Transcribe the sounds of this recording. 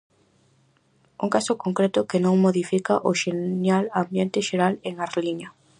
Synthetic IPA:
uŋkasʊkoŋkɾet̪ʊkenõŋmoðifikaʔoʃenjalambjent̪ɪʃeɾaleŋaɾliɲɐ

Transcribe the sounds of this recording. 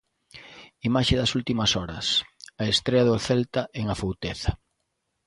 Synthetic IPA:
imaʃeðɐsult̪imɐsɔɾɐ̰sɐest̪ɾeɐðʊθelt̪ɐʔeŋɐfowt̪eθɐ

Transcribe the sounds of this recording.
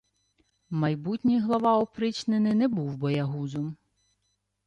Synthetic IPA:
mɐjbutʲnʲijɦlˠɐʋɑɔpɾɪt͡ʃnenɪnɛbuwbɔjɐɦuzɔm

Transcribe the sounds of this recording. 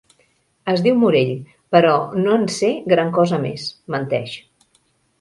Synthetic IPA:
əzðiwmuɾeʎ | pəɾɔnoənseɡɾaŋkɔzəmḛsmənt̪ɛʃ

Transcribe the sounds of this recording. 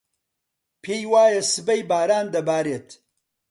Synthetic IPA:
pʰeːjwaːjɐsɨbɐjbaːɾaːnd̪ɐbaːɾeːt̪

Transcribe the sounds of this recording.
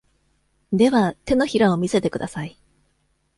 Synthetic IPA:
d̪e̞βat̪e̞no̞çiɾao̞mʲise̞t̪e̞kɯ̟d̪asai

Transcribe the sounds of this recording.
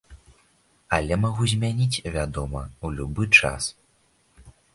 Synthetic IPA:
ɐlʲɛmaɣuzʲmʲanʲit͡sʲvʲad̪ɔmɐwlʲubɨt͡ʂa̰s

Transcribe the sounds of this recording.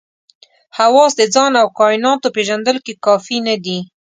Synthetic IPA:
hawɑsd̪əd͡zɑnawkɑɪnɑt̪opeʒand̪əlkekɑfinad̪i

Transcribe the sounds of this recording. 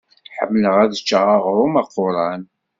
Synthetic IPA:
ħə̰mːləʁæðət͡ʃːəʁaʁɾˤʊmɑqːʊɾˤɑn

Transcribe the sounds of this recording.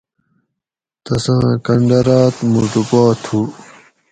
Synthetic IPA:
t̪ɐsãːkɐɳɖɐɾaːt̪muɖupaːt̪ʰuː

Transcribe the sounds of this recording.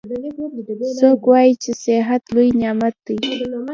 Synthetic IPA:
sokwɑjit͡ʃesɪɦat̪lujnjɑmat̪̚d̪ij

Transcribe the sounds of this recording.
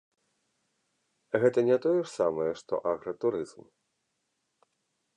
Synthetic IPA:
ɣɛt̪ɐnʲɛt̪ɔjɛʂsamɐjɛʂt̪ɔ̰ʔaɣɾɐt̪uɾɨzm

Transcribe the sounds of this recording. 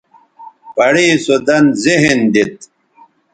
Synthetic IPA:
pɐɽiːsod̪ɐnziɦend̪it̪̚

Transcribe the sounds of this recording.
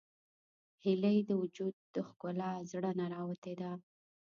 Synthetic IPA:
hɪləjd̪əwʊd͡ʒud̪̚d̪əxkʊlɑzɽənaɾɑwat̪ed̪a

